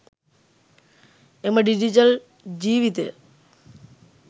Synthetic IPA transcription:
emɐɖid͡ʑit͡ɕɐl | d͡ʑiːʋit̪ḛ

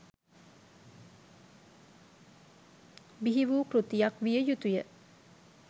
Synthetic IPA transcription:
biɦiʋuːkɾut̪ijakʋijəjut̪ujə

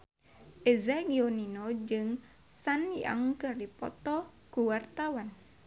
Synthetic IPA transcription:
ʔezaɡioninod͡ʒɨŋ | sania̰ŋkəripɔ̰t̪ɔ | ɡ̥uwart̪awan

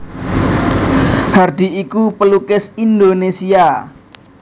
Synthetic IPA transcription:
hard̪i̤ʔikupəlukɪsind̪onesia

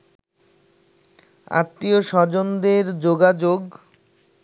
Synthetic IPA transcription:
a̰t̪ːioʃɔɾd͡ʑond̪eɾd͡ʑoɡad͡ʑoɡ

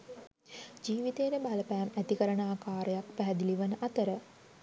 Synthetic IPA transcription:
d͡ʒiːʋit̪eːɾəbaləpæːmæt̪ikəɾənəaːkaːɾəjak̚pæɦæd̪iliʋənəʔat̪əɾə

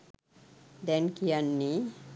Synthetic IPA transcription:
d̪ɛnkianːi

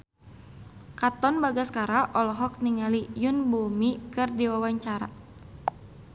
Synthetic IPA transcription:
kat̪ɔnbaɡaskaɾaʔɔlɔɦɔk̚niŋalijunbumikɨrdiwawaɲt͡ʃaɾa̰

